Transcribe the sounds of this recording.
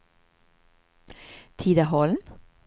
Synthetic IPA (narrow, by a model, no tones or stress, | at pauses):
t̪ʰiːd̪əhɔːln̩